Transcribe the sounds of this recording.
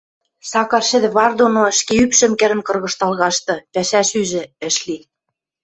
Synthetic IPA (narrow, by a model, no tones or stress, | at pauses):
sɑkɑrʃɘ̆d̪ɘ̆βɑrd̪onoʃkeypʃɘ̆mkɘ̆ɾɘ̆nkɤ̆rɣɤ̆ʃt̪ɑlɣɑʃt̪ɤ̆pæʃæʃyʒɘ̆ɘ̆ʃli